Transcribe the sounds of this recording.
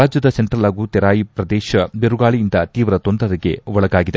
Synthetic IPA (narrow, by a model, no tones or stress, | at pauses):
aːd͡ʒjɐd̪ɐseɳʈɾɐlaːɡut̪ɛɾaːjipɾɐd̪ɛːʃɐbeɾuɡaːɭijind̪ɐt̪iːʋɾɐt̪ond̪ɾɐɾiɡe̞̰ʋɔɭɐɡaːɡid̪e